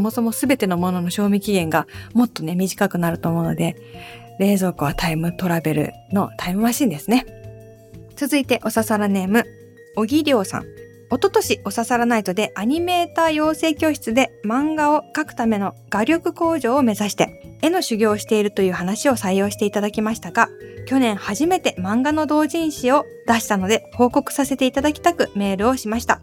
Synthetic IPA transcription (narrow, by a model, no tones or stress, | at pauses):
somo̞so̞mo̞sɨbe̞t̪e̞no̞mo̞no̞no̞ɕo̞ːmʲikʲiɡẽ̞ŋɡamo̞t̪ːo̞ne̞mʲiʑikakɯ̟naɾɯ̟t̪o̞ːmo̞ɯno̞̰d̪e̞ | ɾe̞ːzo̞ːkɯ̟βat̪aimɯ̟t̪o̞ɾabe̞ɾɯ̟̰ | no̞t̪aimɯ̟maɕĩnd̪e̞sɨne̞ | t͡sɨzɨit̪e̞ʔo̞sasaɾane̞mɯ̟ | o̞ɡʲiɾʲo̞ːsã̰ŋ | o̞t̪o̞t̪o̞ɕiʔo̞sasaɾanait̪o̞d̪e̞ʔaɲ̟ime̞ːt̪aːjo̞ːse̞ːkʲo̞ːɕi̥t͡sɨd̪e̞mãŋɡao̞kakɯ̟̥t̪ame̞no̞ɡ̥aɾʲo̞kɯ̟ko̞ːʑo̞ːme̞zaɕi̥t̪e̞̰e̞no̞ɕɨɡʲo̞ːɕi̥t̪e̞iɾɯ̟t̪o̞jɯ̟ːhanaɕio̞saijo̞ːɕi̥t̪e̞it̪ad̪akʲimaɕi̥t̪aɡakʲo̞nẽ̞ɰ̃haʑime̞t̪e̞mãŋɡano̞d̪o̞ːʑĩɰ̃ɕio̞ | d̪aɕi̥t̪ano̞d̪e̞ho̞ːko̞kɯ̟̥sase̞t̪e̞it̪ad̪akʲi̥t̪akɯ̟me̞ːɾɯ̟o̞ɕimaɕi̥t̪a